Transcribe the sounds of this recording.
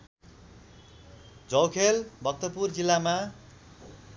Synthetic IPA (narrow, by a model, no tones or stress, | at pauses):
d͡zʌwkʰelbʱʌk̚t̪ʌpurd͡zilːama